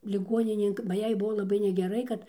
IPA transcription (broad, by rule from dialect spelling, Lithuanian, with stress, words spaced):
lʲɪˈɡuɔnʲɪnʲeːn bɐ ˈjɛɪ ˈbʊʋoː lˠɐˈbɐɪ nʲɛɡʲɛˈrɐɪ kɐt